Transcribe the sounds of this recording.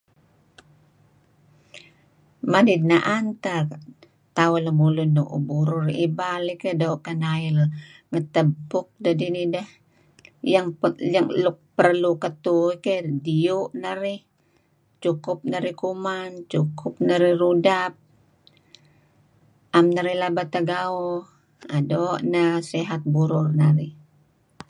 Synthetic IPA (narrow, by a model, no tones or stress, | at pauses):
madid̚naʔant̪a | t̪aʊləmulunːuʔṵbuɾuribalikedouʔkənailŋət̪əbʊk̚dədinidəh | jaŋjəŋlʊk̚pərlukət̪uikediuʔnaɾɪh | t͡ʃukʊp̚nəɾihkumant͡ʃukʰʊp̚naɾihrudap̚ | ʔamnaɾilabat̪aɡao | adoʔnaseɦat̪̚buɾʊrnaɾɪh